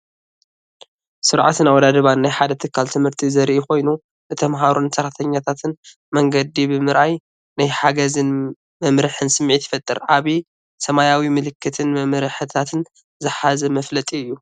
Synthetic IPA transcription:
sɨɾʕat̪ɨnawɔd̪ad̪ɐβanːajħad̪ɐt̪ʰɨkʰːalt̪ʰɨmhɨɾt̪ʰizɐɾʔiko̞jnu | bɨt̪ʰɐmɦaɾunsɐɾt̪ʰɐɲːat̪ʰat̪ʰɨn | mɐŋɡɐd̪ibɨmɨɾʔaj | najħaɡɐzɨn | mɐmɾɨħɨnsɨmːʕit̪ʰjfɐt̪ʼːɨɾʔaβi | sɐmajawimɨlɨkʰːɨt̪ʰɨnmɐmɾɨħɨt̪ʰat̪ʰɨn | zɨħazɐmɐflɐt̪ʼiɨjːu

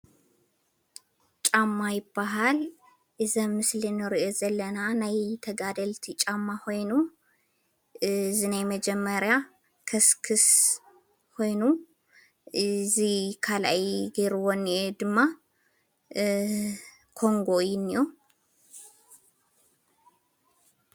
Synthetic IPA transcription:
t͡ʃʼamːajɪbːaɦal | ʔɨzɐmmːɨslɨnɨɾɨʔozɐlːɐnanajt̪ʰɐɡad̪ɐlt̪ʰit͡ʃʼamːako̞jnu | zɨnajmɐd͡ʒɛmːəɾja | kʰɐskʰɨs | ho̞jnu | ɨzikʰala̰jɡeɾwɔnːʔed̪ɨmːa | kʰo̞ŋɡo̞jɪnːo

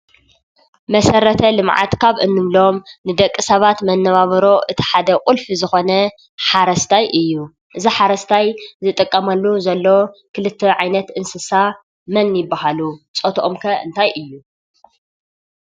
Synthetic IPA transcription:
mɐsɐɾɐt̪ʰɐlɨmʕa̰t̪kʰaβɨnːɨmlo̞mnɨd̪ɐkʼːisɐβat̪mɐnːɐβaβɐɾo̞ʔɨt̪ʰi̥ħad̪ɐkʼʊlfizɨxo̞nɐ | ħaɾɐst̪ʰajʔɨjːu | ʔɨziħaɾɐst̪ʰajzɨt̪ʼɨkʼːɐmɐlːuzɐlːokʰɨlɨt̪ʰːɐʕajnɐt̪ɨnsɨsa | mɐnjɪbːaɦalut͡sʼot̪ʰʔomkʰɐʔɨ̰nt̪ʰajʔɨjːu

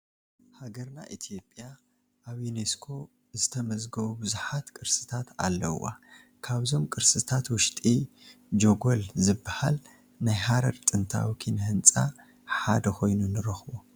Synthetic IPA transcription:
haɡɐɾna̰ʔit̪ʰijo̞pʼːja | ʔːβjuneskʰo̞ | zɨt̪ʰɐmɐzɡɐβubɨzuħat̪kʼɨɾsɨ̥t̪ʰat̪a̰lːɐ̰wa̰ | kʰaβzo̞mkʼɨɾsɨt̪ʰat̪wʊʃt̪ʼi | d͡ʒoɡolzɨbːahal | najɦaɾɐɾt̪ʼɨnt̪ʰa̰wikʰinhɨnt͡sʼa̰ | ħad̪ɐxʰo̞jnunɨɾɐxbo

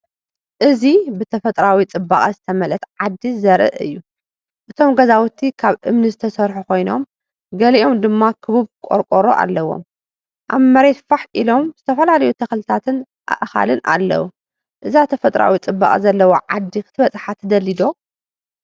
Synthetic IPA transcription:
ʔɨzibɨt̪ʰɐfɐt̪ʼɾawit͡sʼɨbaχʼɐzɨt̪ʰɐmɐlɐt̪ʕad̪ːizɐɾʔɨ̰ʔɨ̰jːu | ʔɨt̪ʰo̞mɡɐzawut̪ʰːikʰaβʔɨmnɨzɨt̪ʰɐsɐɾħukʰo̞jno̰m | ɡɐliʔo̞md̪ɨmːakʰɨβuβkʼo̰ɾkʼoɾoʔa̰lːɐwo̰m | ʔa̰βmɐɾe̞t̪faħʔilo̞mz̥ɨt̪ʰɐfɐlalɐjut̪ʰɐxlɨt̪ʰat̪ʰɨn | ʔa̰ʔxa̰lɨnʔa̰lːɐ̰wu | ʔɨzat̪ʰɐfɐt̪ʼɾʔa̰wit͡sʼɨbːa̰kʼzɐlːɐwo̰ʕad̪ːikʰɨt̪ʰɨβɐt͡sʼħat̪ʰɐd̪ɐlːid̪o̞

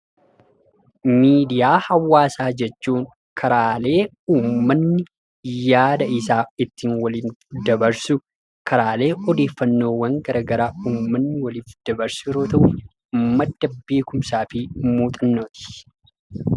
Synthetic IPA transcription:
miːd̪ɪjaːhɐwːaːsaːd͡ʒɛt͡ʃːuːŋ | kʰɐɾaːle̞ː | uːmːɐnːɪ | jaːd̪ɐɪsaːɪt̪ːiːnwɐliːnd̪ɐbɐɾsʊ | kʰɐɾaːle̞ːɔd̪e̞ːfːɐnːo̞ːwɐŋɡɐɾɐɡɐɾaːuːmːɐnːɪwɐlɪːt̪ːɪd̪̥ɐbɐɾsɪɾoːt̪ɐʔʊ | mːɐd̪ːɐbe̞ːkʊmsaːfɪmuːt̪ʼɐnːoːt̪ɪ̥

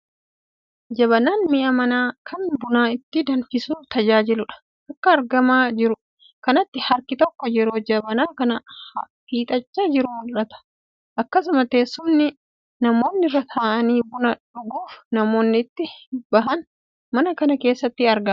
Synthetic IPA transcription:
d͡ʒɐβɐnaːnmɪʔɐmɐnaːkʰɐnbʊnaːɪt̪ːɪd̪ɐnfɪsuːt̪ɐd͡ʒaːd͡ʒɪlʊᶑɐ̥ | ʔɐkːɐːɾɡɐmaːd͡ʒɪɾʊ | kɐnɐt̪ːɪhɐɾkɪt̪ɔkːɔd͡ʒɛɾo̞ːd͡ʒɐbɐnaːkɐnɐhɐ | fiːt̪ʼɐt͡ʃːaːd͡ʒɪɾʊʊᶑɐt̪ɐ̥ | ʔɐkːɐsʊmɐt̪eːsːʊmnːɪ | nɐmo̞ːnːɪrːɐt̪ʰaːʔɐniːbʊnɐᶑʊɡuːfnɐmo̞ːnːɪt̪ːɪbɐɦɐn | mɐnɐkɐnɐke̞ːsːɐt̪ːɪɐɾɡɐ

